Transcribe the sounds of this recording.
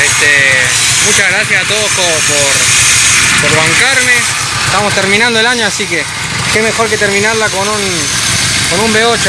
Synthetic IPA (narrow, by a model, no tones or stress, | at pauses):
est̪e | mut͡ʃaɣɾasjasat̪oðoskopoɾ | poɾβaŋkaɾme | est̪amost̪eɾmĩnãnd̪oelaɲoasike | kemexoɾket̪eɾmĩnaɾlakonun | konumbeot͡ʃo